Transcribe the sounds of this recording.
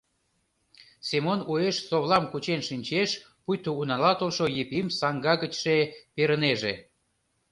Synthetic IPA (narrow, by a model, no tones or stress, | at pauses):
semonueʃsoβlɑmkut͡ɕenʃinʲt͡ɕeʃ | pujt̪ounɑlɑt̪olʃojepimsɑŋɡɑɣət͡ɕʃepeɾəneʒe